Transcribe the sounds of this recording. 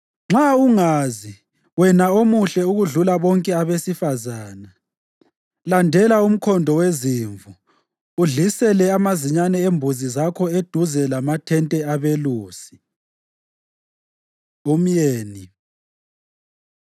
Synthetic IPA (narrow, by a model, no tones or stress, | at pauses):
ŋ͡ǁauŋaːzi | wɛnaomuɬɛuɣuɮulaβɔŋkʼɛaβesifazaːna | landʱɛlaum̩kʰɔndʱɔweziːɱvuː | ɮisɛlɛamaziɲanɛembʱuzizakʰɔed̥ʱuzɛlamatʰɛntʼɛaβeluːsi̥ | um̩jeːni